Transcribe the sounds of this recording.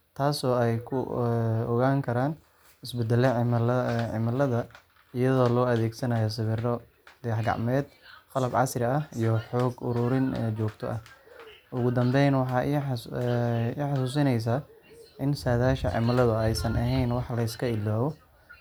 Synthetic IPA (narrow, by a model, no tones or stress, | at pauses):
t̪ʰaːsɔːɛjkʰʊɔɣaːŋkʰɐɾaːn | ɪsbɛd̪ɛlɛlʕɪ̰mɐlɐðɐ | ɪjɐðɔːlɔːɐðɛːɡsɐnɐjɔs̬ɪβɪrɔ | d̪̥ɛjħɡɑ̰ʕmɛːd̪̚χɑlɐbʕɑ̰srɪɐijɞħɔːɡʊ̰ɾʊːɾɪnɛt͡ʃɔːɡt̪ʰɔ̰ʔɐh | ʊɣʊd̪ɐmbɛjnwɑħɑː | ħɑsuːs̬ɪnɛjs̬aːʔɪnsaːðaːʃɐ̰ʕɪ̰mɐlɐðʊɛjsɐnɐɦɛjnwɑħlɐɪskʰɐɪlːaːβɔ